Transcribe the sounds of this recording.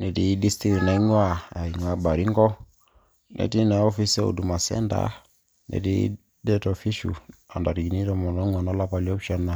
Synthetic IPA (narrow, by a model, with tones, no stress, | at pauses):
nɛ˨di˦di˦sti˦kna˨i˦ŋwa˦˨a˨i˨ŋ˨a˦ba˨ɾi˦ŋɡɔ˦ | nʔɛ̰˨ti˦na˨ɔ˦fi˦sɛ˦o̰˨du˨ma˨sɛ̰˦nda̰˨˦ | nɛ̰˨ti˦ | dɛ˦tɔ˨fi˦ʃṵ˨a̰˨nda˨ɾɡi˨ni˦ɾɔ˦˨mɔ˨nɔ˦ŋwa˨na˦la˦pa˨li˦ɔ˦pʃa˦nːa˨